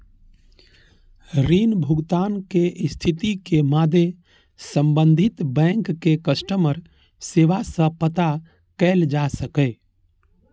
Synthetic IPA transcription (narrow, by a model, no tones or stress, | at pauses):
ɾiːnbʱʊɡt̪aːnkeʔst̪ʰit̪ikemad̪e | səmbə̃nd̪ʱit̪bɛ̃ŋkːekəsʈəməɾ | seːʋasə̃pət̪a | kɛld͡ʒasəkɛ